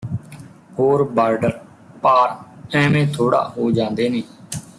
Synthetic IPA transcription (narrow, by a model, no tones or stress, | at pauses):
hoːɾbaːɾɖəɾ | paːɾɛ̃ːmẽːt̪ʰoːɽa̰ːɦoːd͡ʒãːnd̪eːnẽː